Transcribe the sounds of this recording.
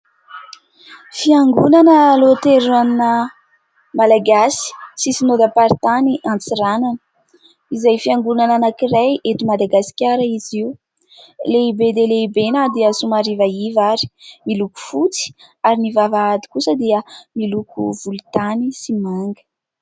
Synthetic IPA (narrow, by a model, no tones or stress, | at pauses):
fiaŋɡunanəlot̪eɾann | malaɡasi̥sisinod̪apaɾit̪aniʔant͡siɾananə̥ | izajfiaŋɡunananakirajet̪umad̪aɡasi̥kʲaɾaiziu | leibeleleibenad̪iəsumaɾivaivaɾi̥miluku̥fut͡si̥ | aɾinivavaad̪i̥kusəd̪iəmilukṵvulut̪anisimaŋɡə̥